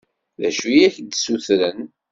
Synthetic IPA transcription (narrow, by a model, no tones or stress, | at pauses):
ðæ̰ʃujæçd̪suθɾən